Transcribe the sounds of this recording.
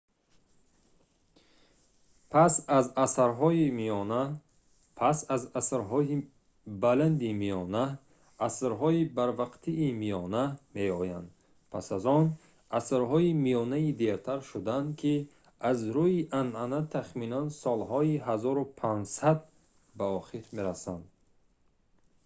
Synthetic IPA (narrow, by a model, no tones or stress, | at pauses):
pʰasazasaɾɦɔimijɔna | pʰasazasɾɦɔi | baland̪imijɔnaː | sɾɦɔibaɾvaqt̪ʰiːmijɔname̞ɔja̰nd̪ | pʰasazɔn | asɾɦɔimijɔnaid̪eɾt̪ʰaɾʃud̪and̪kʰi | azɾuiʔanʔanat̪ʰaχminansɔlɦɔiɦazɔɾupʰand͡ʒsad̪̚ | baɔχiɾme̞ɾasand̪